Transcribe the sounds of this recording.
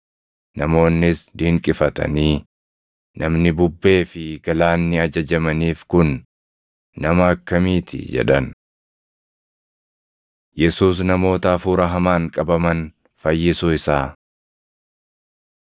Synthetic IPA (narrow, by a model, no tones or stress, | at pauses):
nɐmo̞ːnːɪsd̪iːŋkʼɪfɐt̪ɐ̰niː | nɐmnɪbʊbːe̞ːfɪɡ̥ɐlaːnːɪɐd͡ʒɐd͡ʒɐmɐniːfkʊnː | ɐmɐɐkːɐmiːt̪ʰɪ̰d͡ʒɛ̰ᶑɐn | jɛsuːs̬nɐmo̞ːt̪ɐːfuːɾɐɦɐmaːŋkʼɐbɐmɐn | fɐjːɪsʊɪsaː